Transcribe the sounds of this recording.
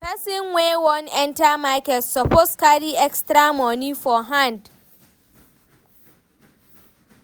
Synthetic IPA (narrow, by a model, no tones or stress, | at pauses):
pɛsɪnwewɔnɛ̃ntamakɛtsɔposkaɾiɛkstɾamɔnifɔɦãnd